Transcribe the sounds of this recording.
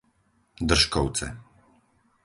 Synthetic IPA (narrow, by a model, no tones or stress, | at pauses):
d̪r̩ʃkɔw̪t͡sɛ̰